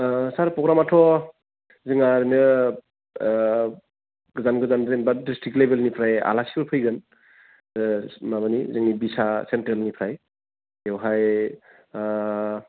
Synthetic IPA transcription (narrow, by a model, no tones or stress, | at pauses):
saɾpɾɔɡɾamatʰɔ | zɯŋaɾnɯ | ɡɯzanɡɯzanɾenbadistʰiklebelnipʰɾaja̰lasi̥kɯɾpʰɯjɡɯn | maβanḭzɯŋnibisasentɾelnipʰɾaj | ewɦaj